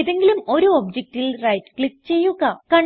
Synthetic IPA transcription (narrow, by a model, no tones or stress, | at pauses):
iðe̞ŋɡilumo̞ɾuoːbd͡ʑek̚ʈilrɐjtɨ̥kɭikːt͡ɕe̞jːuɣɐkɐɳ